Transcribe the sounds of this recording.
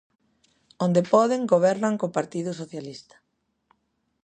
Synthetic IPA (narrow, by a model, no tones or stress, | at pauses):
ond̪epɔðeŋɡoβɛɾnaŋkopaɾt̪iðʊs̬oθjalist̪ḁ